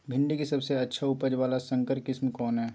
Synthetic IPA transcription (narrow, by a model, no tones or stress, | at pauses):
bʱɪ̃ɳɖikisɐbseɐtːʃʰaʊpəd͡ʒʋaːlasɐ̃ŋkəɾkɪsmkɔːnɦɛː